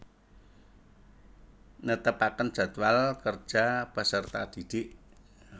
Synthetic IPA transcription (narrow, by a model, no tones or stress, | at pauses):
nət̪əpakəndd͡ʒ̥a̤d̪walkər̥ʒ̥apəsərt̪ad̪̥id̪̥ɪʔ